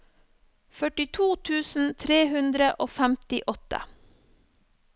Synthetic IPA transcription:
fœʈɪt̪ʰuːt̪ʰʉːsn̩t̪ʰɾeːhʉnd̪ɾəʔoːfæmt̪ɪʔɔt̪ə̰

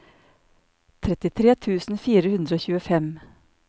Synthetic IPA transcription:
t̪ʰɾɛt̪ɪt̪ʰɾeːt̪ʰʉːsn̩fiːɾəhɵnd̪ɾəoːɕʉːəfɛm

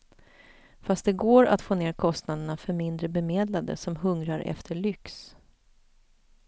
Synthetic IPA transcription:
fast̪̚d̪ɛɡoːɾa̰t̪foːneːɾkʰɔst̪nad̪əɳafœɾmɪnd̪ɾəbɛmeːd̪lad̪ə̰sɔmɦɵŋɾaɾʔɛ̰ft̪ʰəɭʏks

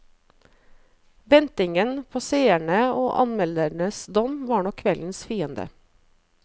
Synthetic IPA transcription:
ʋɛnt̪ɪŋənpʰoːseːəɳəoːʔɑ̰nmɛld̪əɳəsd̪ɔmʋɑːɳɔkʰʋɛln̩sfiːənd̪ə̰

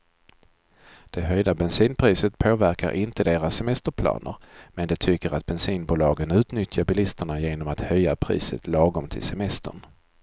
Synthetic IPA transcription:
d̪̥ɛɦœjd̪abɛnsiːnpʰɾiːsət̪pʰoːvæɾka̰ɾʔɪnt̪əd̪eːɾasːɛmɛst̪əɾpʰlɑ̰ːnə̰ɾmɛnd̪ɛt̪ʰʏkːəɾat̪̚bɛnsiːnbuːlɑːɡənʉ̟ːt̪nʏt̪ʰjaɾbɪlɪst̪əɳajeːnɔmat̪hœjːapʰɾḭːsə̰t̪lɑːɡɔmt̪ʰɪ̰lsɛmɛst̪ʰə̰ɳ

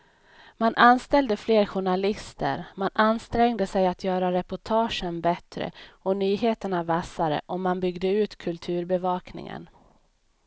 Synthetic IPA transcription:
manʔanst̪ɛld̪əfleːɾɧʊɳalɪst̪ə̰ɾmanʔanst̪ɾɛŋd̪əsɛjat̪ʰjœːɾaɾɛpʊʈʰɑːʂənbɛt̪ɾə̰ɔnyːheːt̪əɳavasaɾə̰ʔɔmːanbʏɡd̪əʉ̟ːt̪kʰɵlt̪ʰʉ̟ːɾbɛvɑːknɪ̰ŋə̰n

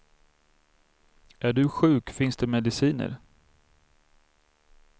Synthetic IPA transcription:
ʔæɖɵɧʉ̟ːkfɪnsd̪ɛmɛd̪ɪsiːnə̰ɾ

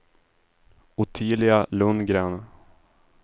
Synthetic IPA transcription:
ʊt̪ʰiːlɪalɵnɡɾɛn

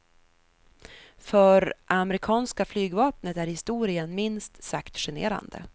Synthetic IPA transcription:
fœɾʔamɛɾɪkʰɑːnskaflyːɡvɑːpnət̪æɾhɪst̪uːɾɪənmɪnst̪sakt̪ʂɛnḛːɾa̰nd̪ə̰

